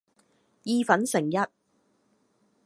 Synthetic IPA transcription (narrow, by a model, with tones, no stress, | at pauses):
jiː˧fɐ˨˥nsɪ˨˩ŋjɐ˥t̚